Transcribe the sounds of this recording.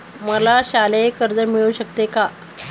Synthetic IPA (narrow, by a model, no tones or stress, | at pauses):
məlaɕalekəɾd͡zəmiɭuːɕək̚t̪eka